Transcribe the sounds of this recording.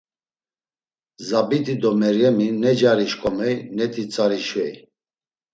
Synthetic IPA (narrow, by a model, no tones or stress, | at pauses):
zabit̪ʼid̪ɔmɛɾjɛminɛd͡ʒaɾiʃkʼɔmɛjnɛt̪ʰʼit͡sʼaɾiʃvɛj